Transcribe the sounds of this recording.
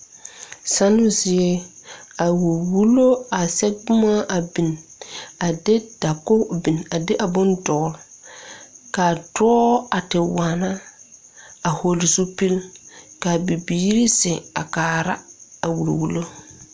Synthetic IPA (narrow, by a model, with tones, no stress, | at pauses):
sa˦nʊ˦zɪ˦e˦a˨wu˨ɾwu˦lo˦a˨sɛ˦ɡ͡bʊ˦ma˦ʔa˨bi˨n | a˨dɪ˦d̥a˨kʊ˦bi˨na˨dɪ˦ʔa˨bʊ˦ndɔ˨˦ɾ | ka˨tɔː˦a˨tɪ˨waː˨na˦ | a˨ho˨lzu˦pi˦lka˨bi˨biː˦ɾi˦sɪ˨a̰˨kaː˨ɾa˦a˨wu˨ɾwu˦lo˦